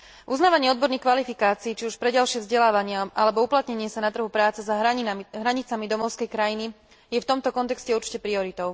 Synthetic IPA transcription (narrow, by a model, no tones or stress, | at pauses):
ʔuznaːʋaɲɪɛɔd̪̚bɔɾnixkʋalifikaːt͡siːt͡ʃiuʃpɾɛɟalʃɪɛvzɟɛlaːʋaɲɪaʔalɛbɔuplat̪ɲɛɲɪɛsanat̪r̩ɦupɾaːt͡sɛzaɦɦɾaɲit͡samid̪ɔmɔʊskɛjkɾajini | jɛft̪ɔmt̪ɔkɔnt̪ɛkscɛuɾt͡ʃi̥cɛpɾiɔɾit̪ɔʊ